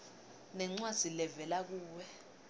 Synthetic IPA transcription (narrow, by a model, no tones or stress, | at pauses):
nɛŋ͡ǀwḁz̥ilɛvɛlak̬uːwɛ